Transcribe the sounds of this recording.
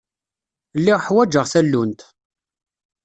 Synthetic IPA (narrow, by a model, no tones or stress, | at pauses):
lːiʁħwæd͡ʒəʁθælːunt̪